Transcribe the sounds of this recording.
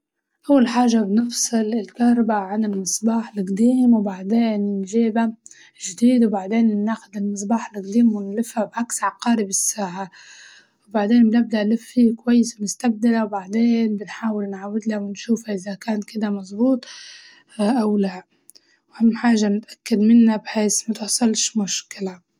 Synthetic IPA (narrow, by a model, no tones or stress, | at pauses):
ʔawːalħaːʒabnɨfsˤɨlɪlkahɾˤɑbaʕanɪlmɨsˤbɑːħɪlʔɪqd̪iːmwbaʕd̪eːnɪnʒeːba | ʒd̪iːd̪wbaʕd̪eːnnːaxʊd̪ɪlmɨs̬ˤbɑːħɪlɪqd̪iːmwɪnlɪfːabʕaksʕɑqɑːɾibɪsːaːʕa | wbaʕd̪eːnbɪnɪb̚d̪aʔlɪfːikwajːɪsmʊst̪ab̚d̪ɪɾawbaʕd̪eːnbɪnħaːwɪlnʕawːɪd̪lawɪnʃuːfaʔɪðakaːnkɪd̪amɑzˤbuːt̪ˤ | ʔawla | whamːɪħaːʒanɪt̪ʔḁkːad̪mɪnːabħeːsmat̪ɪħsˤɑlʃmʊʃkɪla